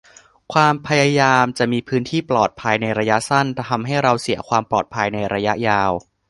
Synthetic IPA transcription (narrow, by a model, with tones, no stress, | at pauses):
kʰwaː˧mpʰa˧jaː˧jaː˧mt͡ɕa˨˩ʔmiː˧pʰɯː˦˥nt̪ʰiː˥˩plɔː˨˩t̪̚pʰa˧jna˧jɾa˧ja˦˥ʔsa˥˩nt̪ʰɛ˧˩t̪ʰa˧mɦa˥˩jɾa˧wsi˩˦ɐkʰwaː˧mplɔː˨˩t̪̚pʰa˧jna˧jɾa˧ja˦˥ʔjaː˧w